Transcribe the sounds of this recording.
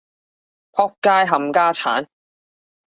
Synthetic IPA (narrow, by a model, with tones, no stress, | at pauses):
pʰɔː˥k̚kːaː˥jɦɐ˨mkaː˥t͡sʰa̰ː˨˥n